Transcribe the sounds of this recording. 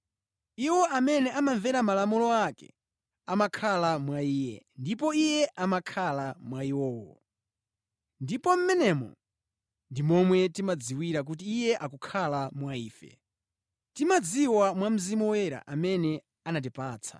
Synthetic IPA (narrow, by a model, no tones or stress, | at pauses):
iwɔʔamɛnɛʔamaɱvɛɾamalamulɔakɛ̰ | amakʰalamwaiːjɛ̰ndipɔijɛʔamakʰalamwaiwɔːwɔ̰ | ndipɔm̩mɛnɛmɔ̰ | ndimɔmwɛtimad͡ziwiɾak̬ut̬iːjɛʔakukʰalamwaiːfɛ̰ | timad͡ziwamwam̩zimɔwɛɾa̰ʔamɛnɛ | anat̬ipaːt͡sʰa̰